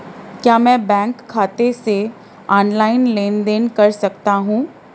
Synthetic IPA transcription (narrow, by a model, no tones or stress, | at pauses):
kjaːmɛ̃ːbɛ̃ːŋkʰːaːt̪ese | ɔːnlaːɪnlẽːnd̪eːnkɐɾsɐk̚t̪aɦũː